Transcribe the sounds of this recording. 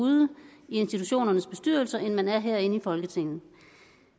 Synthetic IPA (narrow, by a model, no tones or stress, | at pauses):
uðˠəie̝nsd̥it͡sʰuɕo̝̰ːnɐnəsb̥e̝sd̥yɐ̰l̩sɐʔenmænæɐɦɛɐ̰e̝nəifɒ̽lɡ̥ət͡sʰe̝ŋ̰n̩